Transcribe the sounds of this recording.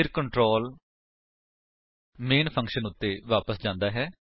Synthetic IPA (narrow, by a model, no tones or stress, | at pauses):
ɪɾkəɳʈɾoːl | meːnpʰə̃ŋkʃənʊt̪ːeːʋaːpəsd͡ʒãːnd̪aːɦɛː